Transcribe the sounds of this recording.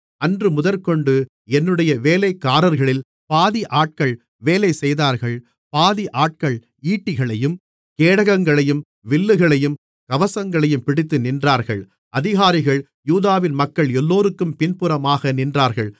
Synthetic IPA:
ɐndrɯmʊðɐɾkɔɳɖɯ | ɛnːɯɽɐjɐʋeːlɐɪkːaːɾɐɾɣɐɭɪl | paːðiʔaːʈ̚kɐɭ | ʋeːlɐɪsɛjðaːɾɣɐɭ | paːðiʔaːʈ̚kɐɭ | iːʈːɪɣɐɭɐjɯm | keːɽɐɣɐŋɡɐɭɐjɯm | ʋɪlːɯɣɐɭɐjɯm | kɐʋɐsɐŋɡɐɭɐjɯmpɪɽɪt̪ːɯnɪndraːɾɣɐɭ | ʔɐðɪɣaːɾɪɣɐɭ | juːðaːʋɪnmɐkːɐɭɛlːoːɾɯkːɯmpɪnpɯɾɐmaːɣɐnɪndraːɾɣɐɭ

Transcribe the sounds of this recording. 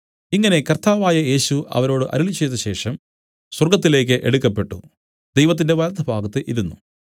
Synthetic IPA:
iŋːɐne̞kɐrt̪aːʋaːjɐje̞ːɕuʔɐ̰ʋɐɾo̞ːɽɨʔɐ̰ɾiɭit͡ɕːejt̪ːɐɕe̞ːʂɐm | swɐrɡɐt̪̬ːile̞ːk̬ːɨʔeɽukːɐpːe̞ʈːṵ | d̪e̞jʋɐt̪̬ːinde̞ʋɐlɐd̪ʱɐbʱaːɡɐt̪ːɨʔiɾunːu

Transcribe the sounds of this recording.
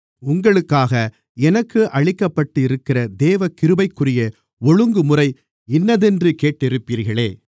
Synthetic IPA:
ʊŋɡɐɭɯkːaːɣɐ | ɛnɐkːɯʔɐɻɪkːɐpːɐʈːɯɪɾɯkːɪrɐd̪eːʋɐkɪɾɯbɐɪkːɯrɪjɐ | ɔɻɯŋɡɯmʊrɐɪ | ɪnːɐðɛndrɯkeːʈːɪɾɯpːiːɾɣɐɭeː

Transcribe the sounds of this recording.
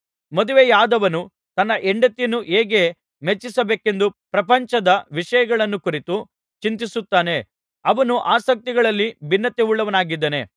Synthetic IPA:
mod̪uʋejaːd̪ɐʋɐnu | t̪ɐnːɐʔeɳɖɐt̪ːijnuʔeːɡe̞ | met͡ʃːisɐbeːke̞nd̪upɾɐpɐɲt͡ʃɐd̪ɐʋiʂɐjɐɡɐɭɐnːukuɾit̪u | t͡ʃint̪isut̪ːaːne̞ | ɐʋɐnuʔaːsɐk̚t̪iɡɐɭɐlːibinːɐt̪euɭːɐʋɐnaːɡid̪ːɐne̞̰

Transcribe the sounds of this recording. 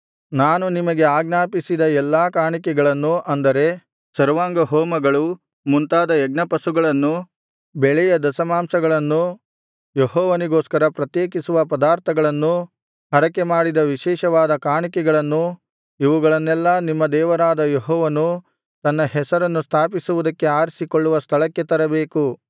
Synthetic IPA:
naːnunimɐɡe̞aːɡnaːpisid̪ɐɛlːaːkaːɳikɛɡɐɭɐnːuʔɐnd̪ɐɾe̞ | sɐɾʋaːŋɡɐɦoːmɐɡɐɭu | munt̪aːd̪ɐɛɡ̚nɐpɐsuɡɐɭɐnːu | bɛɭɛjɐd̪ɐsɐmaːmsɐɡɐɭɐnːu | jeɦɔːʋɐniɡoːskɐɾɐpɾɐt̪jeːkisuʋɐpɐd̪aːɾt̪ʰɐɡɐɭɐnːu | ɦɐɾɐkemaːɽid̪ɐʋiʃɛːʃɐʋaːd̪ɐkaːɳikɛɡɐɭɐnːu | iʋuɡɐɭɐnːɛlːɐnimːɐd̪ɛːʋɐɾaːd̪ɐjeɦɔːʋɐnu | t̪ɐnːɐɦɛsɐɾɐnːust̪ʰaːpisuʋud̪ɐkːe̞aːɾsikoɭːuʋɐst̪ʰɐɭɐkːet̪ɐɾɐbeːku

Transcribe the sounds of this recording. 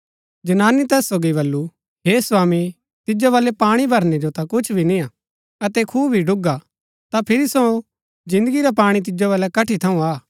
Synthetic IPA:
d͡ʒɐnaːnit̪ɛːsːoɡiβɐlːu | ɦeːswaːmi | t̪ɪd͡ʒoʋaːlepaːɽ̃ibʱɐɾned͡ʒot̪ãkʊt͡ʃʰbʱinɪ̃a | ɐt̪ɛkʰuːbbʱiɖʊɡa | t̪apʰɪɾisõ | d͡ʒɪ̃nd̪əɡiɾap̬aːɽ̃it̪̬ɪd͡ʒoʋaːlɛkɐʈʰit̪ʰɐũaː

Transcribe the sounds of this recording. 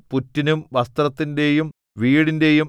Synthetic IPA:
putːinumʋɐst̪rɐt̪ːinde̞jum | ʋiːɽinde̞jum

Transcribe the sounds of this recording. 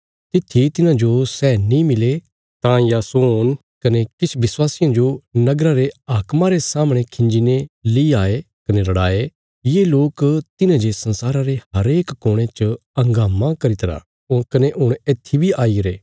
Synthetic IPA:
t̪ɪt̪ʰːit̪ɪnãd͡ʒosɛːnĩmɪle | t̪ãjasoːn | kɐnekɪt͡ʃʰbɪswaːsɪjãd͡ʒonɐɡɾaɾeaːkmãɾesaːmɽ̃ekʰɪ̃ɲd͡ʒineliiaːe | kɐnelɐɽaːe | jeːloːkt̪ɪnãd͡ʒesɐ̃nsaːɾaɾeɦɐɾeːkːoːɽ̃et͡ʃəɐ̃ŋɡaːmãkɐɾɪt̪ɾa̰ | ʊkɐneʔʊɽ̃eːt̪ʰːibʱiaːiɾeː

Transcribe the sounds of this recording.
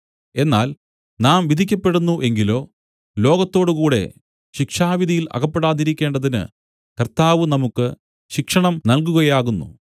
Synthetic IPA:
e̞nːaːl | naːmʋid̪ʱikʲːɐpːe̞ɽunːuʔe̞ŋɡilo̞ː | lo̞ːɡɐt̪ːo̞ːɽukuːɽe̞̰ | ɕikʂaːʋid̪ʱijilɐ̰kɐpːe̞ɽaːðiɾikʲːe̞ːɳɖɐðinɨ̰ | kɐrt̪aːʋɨnɐmukːɨ | ɕikʂɐɳɐmnɐlkuɣɐjaːɣunːṵ

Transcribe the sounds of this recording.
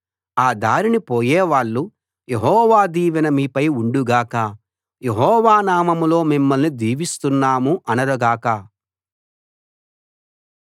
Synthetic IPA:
aːd̪aːɾinipoːjeːʋaːɭːu | jeɦɔːʋaːd̪iːʋɐnɐmiːpɐjuɳɖuɡaːka | jeɦɔːʋaːnaːmɐmulo̞ːmimːɐlnid̪iːʋist̪unːaːmuʔɐnɐɾɐɡaːka

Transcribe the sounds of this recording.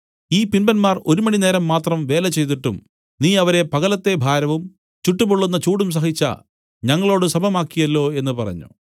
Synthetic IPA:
iːpinbɐnmaːro̞ɾumɐɳine̞ːɾɐmːaːt̪rɐmʋe̞ːlɐt͡ɕe̞jt̪̬iʈːum | niːɐʋɐɾe̞pɐɣɐlɐt̪ːe̞bʱaːɾɐʋum | t͡ɕuʈːubuɭːunːɐt͡ɕuːɽums̬ɐɦit͡ɕːɐ̰ | ɲɐŋːɐɭo̞ːɽɨsɐbʱɐmaːkːijɐlːo̞ːe̞n̪ːupɐrɐ̰ɲːṵ

